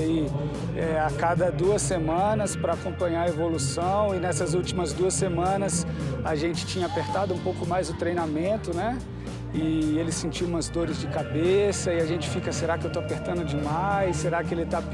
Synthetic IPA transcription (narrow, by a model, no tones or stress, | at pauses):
i | ɛakad̪ɐd̪uɐsemɐ̃nɐspɾɐakõmpɐ̃ɲaɾɐevolusɐ̃w̃ɪnɛsɐzut͡ʃimɐzd̪uɐsːemɐ̃nɐs | aʒẽnt͡ʃɪ̥t͡ʃĩɲɐapeɾt̪ad̪ʊũpowkʊmajzʊt̪ɾejnamẽnt̪ʊnɛ | ɪelɪsẽnt͡ʃiwũmɐzd̪oɾɪzd͡ʒɪkabesɐɪaʒẽnt͡ʃɪ̥fikɐseɾakɪewt̪oapeɾt̪ɐ̃nd̪ʊd͡ʒɪmajssseɾakɪelɪt̪a